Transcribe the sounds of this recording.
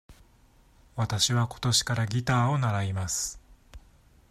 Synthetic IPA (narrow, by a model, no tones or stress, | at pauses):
βat̪aɕiβako̞̥t̪o̞ɕi̥kaɾaɡʲit̪aːonaɾaimasɨ̥